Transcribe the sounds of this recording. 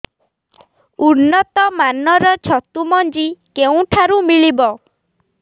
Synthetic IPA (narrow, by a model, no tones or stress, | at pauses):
unːɔt̪ɔmanɔɾɔt͡ʃʰɔt̪umɔnd͡ʒikeũʈʰaɾumiɭibɔ